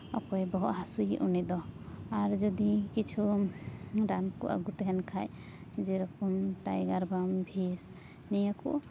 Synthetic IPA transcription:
ɔ̰kɔjbɔɦɔʔɦasujʔṵnɛd̪ɔaɾd͡ʒɔd̪ikit͡ʃʰu | ɾankṵʔa̰ɡut̪ɦɛnkʰaj | d͡ʒɛɾɔkumʈa̰jɡaɾbambʱis | nijakṵ

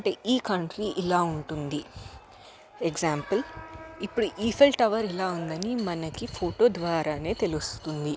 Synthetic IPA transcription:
ɐɳʈe̞̰ːʔiːkɐɳʈɾiʔilaːuɳʈund̪i | eɡzaːmpɐlipːuɽuʔiːpʰelʈɐʋɐɾilaːund̪ɐnimɐnɐkipʰoːʈo̞ːd̪ʋaːɾaːne̞ːt̪e̞lust̪und̪i

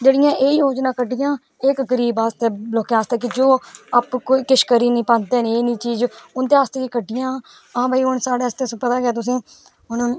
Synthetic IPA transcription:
d͡ʒeːɽɪjãːʔeːjoːd͡ʒnãːkəɖɪjãː | ɪkɡəɾiːbaːst̪eːloːkẽaːst̪eːk̬ɪd͡ʒoːəpkoːiːkɪʃkəɾiːnĩːpə̃nd̪eːneːnĩːt͡ʃiːzʊnd̪eːaːst̪eːkiːkəɖːɪjãː | ãːbaːiːʊnsaːɽeːst̪eːspət̪aːɡaːt̪ʊsĩː | ʊn

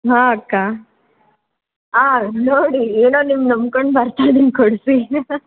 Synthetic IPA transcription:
ɦaːɐkːaː | aːnoːɽieːnoːnimnɐmkoɳɖbɐɾt̪ajd̪inkoɽsi

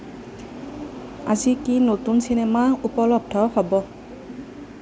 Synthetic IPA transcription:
azikinotunsinɛmaupɔlɔb̚dʱɔpabɔ

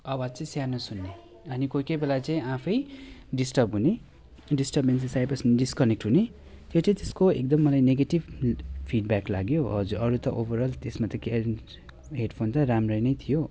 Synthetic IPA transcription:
ʌwad͡zt͡saĩsjanosunːe | ʌnikojkejbelat͡saĩãpʰʌjɖisʈʌbɦune | ɖisʈʌbensisajpʌsnɖiskʌnek̚ʈɦune | t̪jot͡sʌĩt̪eskoḛk̚d̪ʌmːʌlajneɡeʈibpʰiɖbaklaɡjoɦʌd͡zuɾʌɾut̪ʌʔobʌɾʌlt̪esmat̪ʌke | ɦeɖpʰont̪ʌɾamrʌjnʌjt̪ʰijo

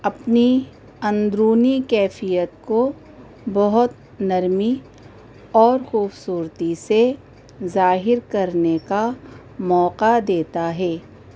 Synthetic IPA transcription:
ɐpni | ɐ̃nd̪ɾuːnikɛːfijət̪̚ko | bɐɦʊt̪ | nɐɾmi | ɔːɾxuːbsuːɾt̪ise | zaːɦɪɾkɐɾneka | mɔːqad̪eːt̪aɦɛː

